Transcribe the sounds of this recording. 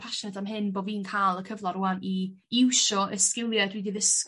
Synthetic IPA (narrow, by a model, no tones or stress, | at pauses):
pʰaʃnadamɦɪnboːviːnkʰaːlˠəkʰəvlˠɔɾuani | ɪwʃɔʔəskɪlˠjadwidiðəs